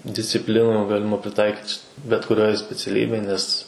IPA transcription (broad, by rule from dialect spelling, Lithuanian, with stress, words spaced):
dʲɪsʲt͡sʲɪˈpʲlʲɪnuː ˈɡɑːlʲɪmɐ pʲrʲɪˈtɐɪkʲiːt t͡ʃʲɪ bʲɛt kʊˈrʲoːj sʲpʲɛt͡sʲɛˈlʲiːbʲeːj ˈnʲɛs